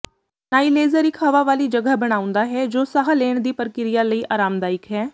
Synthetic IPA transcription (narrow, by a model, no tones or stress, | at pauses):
naːiːleːzəɾɪkʰɦəʋaːʋaːliːd͡ʒəɡəbəɽ̃aːʊ̃nd̪aːɦɛːd͡ʒoːsaɦaleːɳ̃d̪iːpəɾkɪɾɪjaːləiːʔaːɾaːmd̪aːɪkɦɛː